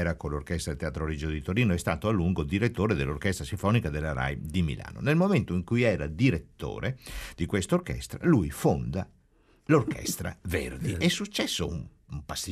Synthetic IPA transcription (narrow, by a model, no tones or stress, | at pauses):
ɛɾakolːorkɛst̪ɾaet̪eaːt̪ɾoɾid͡ʒod̪it̪oɾiːnoɛst̪aːt̪oalːuŋɡod̪iɾet̪ːoːɾed̪elːorkɛst̪ɾasiɱfɔːnikad̪elːaɾa̰jd̪imḭlʔa̰ːno̰nelmoment̪oiŋkujɛːɾad̪iɾet̪ːo̰ːɾed̪ikwest̪aorkɛ̰st̪ɾa̰lujfond̪a | lorkɛ̰st̪ɾa̰vḛrd̪iɛsːut͡ʃːɛsːoum | umpast̪i